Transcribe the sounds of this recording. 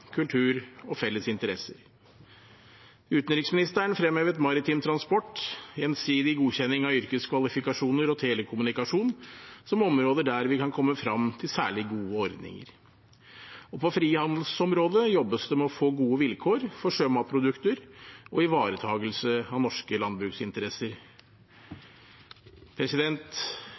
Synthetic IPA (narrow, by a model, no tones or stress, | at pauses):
kʰʉlt̪ʰʉːɾɔfɛlːəsɪnt̪əɾɛsəɾ | ʉːt̪n̩ɾɪksmɪnɪst̪æɳfɾɛmhøːʋət̪mɑɾɪt̪ʰiːmt̪ʰɾɑnspɔʈːjɛnsiːd̪ɪɡuːçɛnːɪŋɑʏɾkəskʰʋɑlɪfɪkɑʂuːnəɾɔt̪ʰeːləkʰʊmʉnɪkɑʂuːnsɔmɔmɾoːd̪əɖæɾʋɪkɑnkʰɔmːəfɾɑmt̪ʰɪlsæ̰ːɭɪɡuːəɔɾd̪nɪ̰ŋə̰ɾ | ɔpʰɔfɾiːhɑnd̪l̩sɔmɾoːd̪əjɔbːəsd̪ɛmɛɔfoːɡuːəʋɪlkʰoːɾfɔʂøːmɑpʰɾʊd̪ʉkt̪əɾɔɪʋɑːɾət̪ʰɑːɡəlsəɑnɔʂkəlɑnd̪̚bɾʉːksɪnt̪əɾɛsəɾ | pʰɾɛsɪd̪ɛnt̪